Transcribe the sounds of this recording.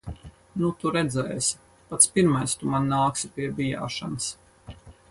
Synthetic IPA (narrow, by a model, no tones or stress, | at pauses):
nut̪uɾɛd̪zɛːs | pat̪spiɾmajst̪umanːaːksipʲiɛbʲija̰ːʃanɨs